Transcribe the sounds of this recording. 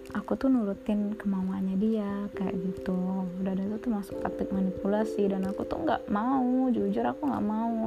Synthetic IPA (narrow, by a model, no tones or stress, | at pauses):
ʔakut̪ʊhnuɾut̪ɪnkəmauanɲadiakaja̰ʔɡit̪udadat̪ut̪umasʊ̥k̚t̪at̪ɪk̚manipulasidanakut̪ṵhŋɡa̰ʔmaud͡ʒud͡ʒʊɾakuŋɡa̰ʔmau